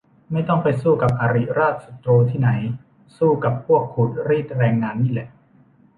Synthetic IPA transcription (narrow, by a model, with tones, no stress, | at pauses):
ma˥˩jt̪ɔ˥˩ŋpa˧jsuː˥˩ka˨˩p̚ʔaː˧ɾi˨˩ɾaː˥˩t̪̚sa˨˩t̪ɾoː˧t̪ʰiː˥˩na˩˦j | suː˥˩ka˨˩ppʰu˥˩ək̚ʰːuː˨˩t̪̚ɾiː˥˩t̪̚ɾɛː˧ŋːaː˧nːiː˥˩lɛ˨˩ʔ